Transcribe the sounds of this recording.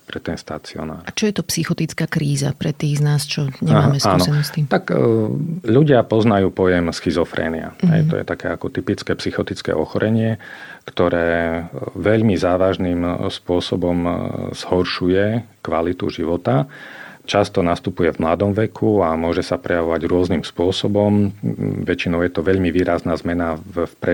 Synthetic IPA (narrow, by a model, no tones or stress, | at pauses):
pɾɛt̪ɛnst̪at͡siɔ̰na̰ːɾt͡ʃɔjɛt̪ɔpsixɔt̪it͡skaːkɾiːza̰pɾɛt̪iːɣznaːst͡ʃɔɲɛaːmɛaːnɔɛnɔsimt̪ak | ʎuɟɪapɔznajuːpɔjɛmsxizɔfɾɛ̰ːnia̰ɦɛ̰jt̪ɔ̰jɛ̰t̪akɛːakɔt̪ipit͡skɛːpsixɔt̪it͡skɛ̰ːʔɔxɔɾʔɛɲɪɛkt̪ɔɾɛː | ʋɛʎmizaːʋaʒnimspʊɔsɔbɔmz̥hɔɾʃujɛkʋalit̪ṵʒiʋɔt̪at͡ʃast̪ɔnast̪upujɛvmlad̪ɔmʋɛkʰuamʊɔʒɛsapɾɛjaʋɔʋaɟɾʊɔznimspʊɔsɔbɔmʋɛt͡ʃinɔʊjɛt̪ɔʋɛʎmiʋiːɾaznaːzmɛnafpɾɛ